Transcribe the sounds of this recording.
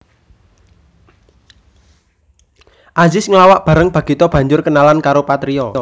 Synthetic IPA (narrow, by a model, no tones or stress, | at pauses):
ʔazɪsŋəlawaʔb̥a̤ɾəŋb̥ä̤ɡ̥it̪ɔb̥ä̤ɲd͡ʒʊrkənalankaɾopat̪ɾiɔɔ